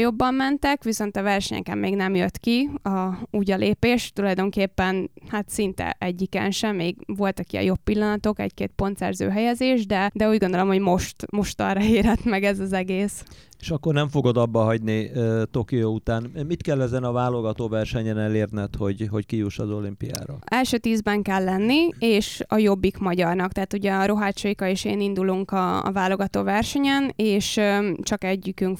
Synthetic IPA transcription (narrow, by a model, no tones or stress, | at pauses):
jo̞bːɒmːɛnt̪ɛkʋiso̞nt̪ɒvɛrʃɛ̰ɲɛ̰kɛ̰mːeːɡnɛmjøt̪kiɒuːɟɒlʔeːpeːʃt̪ulɒjd̪o̞ŋkeːpːɛnhat̪sint̪ɛ̰ʔɛɟːikɛ̰nʃɛmeːɡʋo̞lt̪ɒkiɒ̰jo̞pːilːɒnɒt̪o̞kɛ̰ɟkeːt̪po̞nt̪sɛ̰rzø̰ːɦɛjɛzeːʒd̪ɛd̪ɛuːɟɡo̞nd̪olomho̞ɟmo̞ʃt̪mo̞ʃt̪ɒ̰rɒeːɾɛt̪mɛɡɛzɒzɛɡeːs | e̥ʃɒkːornɛɱfo̞ɡo̞d̪ɒbːɒɦɒɟnit̪o̞kijout̪aːnmit̪kɛlːɛzɛnɒvaːlo̞ɡɒt̪oːvɛrʃɛɲɛnɛleːrnɛt̪ho̞ɟɦo̞ckijuʃɒzo̞limpija̰ːɾɒ̰ɛlʃøːt̪iːzbɛŋkɛlːɛnːieːʃɒjo̞bːikmɒɟɒrnɒkt̪ɛɦaːt̪uɟɛɒɾo̞ɦaːt͡ʃojkɒeːʃḛːnind̪uluŋkɒ̰ːvaːlo̞ɡɒt̪oːvɛrʃɛɲɛneːʃt͡ʃɒkɛɟːykyŋk